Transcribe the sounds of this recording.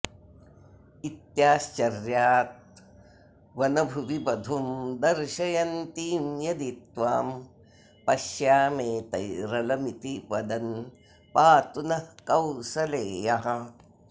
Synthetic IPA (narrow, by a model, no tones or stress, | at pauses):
it̪jaːst͡ʃɐɾjaːt̪̚ | ʋɐnɐbʱuʋibɐd̪ʱumd̪ɐɾʃɐjɐnt̪iːmjɐd̪it̪ʋaːm | pɐʃjaːmeːt̪ɐjɾɐlɐmit̪iʋɐd̪ɐn | paːt̪unɐkɐwʃɐleːjɐɦɐ̆